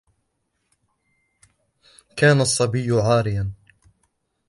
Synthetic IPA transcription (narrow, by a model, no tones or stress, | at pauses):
kaːnasˤːɑbɪjːʕaːɾɪjan